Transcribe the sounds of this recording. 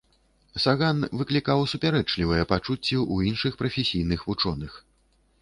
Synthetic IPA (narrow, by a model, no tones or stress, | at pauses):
saɣanvɨklʲikawsupʲaɾɛt͡ʂlʲivɐjɛpat͡ʂut͡sʲːɛʔuinʂɨxpɾɐfʲesʲijn̪ɨxvut͡ʂɔnɨx